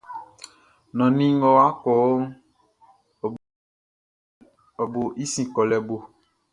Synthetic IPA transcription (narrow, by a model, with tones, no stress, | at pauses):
nɔ̃˨nĩ˦ŋ˦ɡɔ˦wa˦kɔ˨o˦ŋ˨ | ɔ˨bo˨ʔi˦sĩ˨kɔ˨lɛ˨bo˨